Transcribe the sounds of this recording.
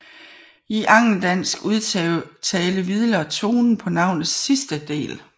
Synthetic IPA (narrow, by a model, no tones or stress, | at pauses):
iʔɑ̈ŋ̰l̩d̥æn̰sɡ̥uðˠt͡sʰɛːləʋið̞ˠlɐt͡sʰo̝ːnn̩pʰɒ̽nɑ̈ʊ̰nð̩ˠsːisd̥əd̥e̝̰ːl